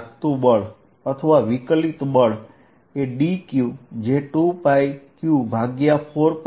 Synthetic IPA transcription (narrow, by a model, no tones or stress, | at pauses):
kt̪ũbəɭ | ət̪ʰəʋaʋiklit̪bəɭ | eɖikjud͡ʒeʈũpajkjubʱaɡjapʰoɾp